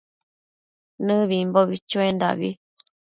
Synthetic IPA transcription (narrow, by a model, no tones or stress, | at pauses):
nɨ̃βimboβit͡ʃuend̪a̰βi